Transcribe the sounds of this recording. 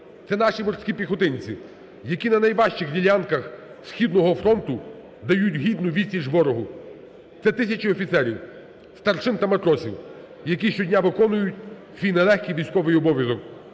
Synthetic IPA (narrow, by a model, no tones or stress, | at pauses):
t̪sɛnɑʃimɔrsʲkʲipʲixɔt̪ɪnʲt͡sʲi | jɐkʲinɐnɐjʋɑʃt͡ʃɪxdʲilʲankɐx | sʲxʲid̪nɔɦɔfɾɔnt̪ʊ | d̪ɐjutʲɦʲid̪nʊʋʲisʲiʒʋɔɾɔɦʊ | t̪sɛt̪ɪsʲɐt͡ʃiɔfʲit̪sɛɾʲḭw | st̪ɐrt͡ʃɪnt̪ɐmɐt̪ɾɔsʲiw | jɐkʲiʃt͡ʃɔdʲnʲaʋɪkɔnʊjʊtʲ | sʲʋʲijnɛlˠɛxʲkʲijʋʲijsʲkɔʋɪjɔbɔʋʲjɐzɔk